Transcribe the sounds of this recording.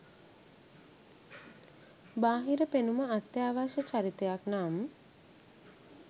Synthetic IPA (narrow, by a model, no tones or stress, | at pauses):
baːɦiɾəpenuməat̪ːjaːʋaʃət͡ʃaɾit̪ejaknaːmə